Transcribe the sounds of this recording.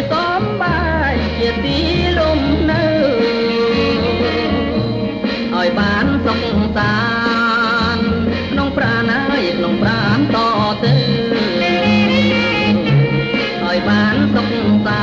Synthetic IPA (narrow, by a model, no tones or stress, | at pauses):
soa | mɓa | jt͡ɕiət̪iːlumnɨw | ʔaɔjɓaːnsok̚saː | n | kʰnoŋpraːnajkʰnoŋpraːnt̪ɑːʔt̪ɨw | ʔaɔjɓaːnsok̚sa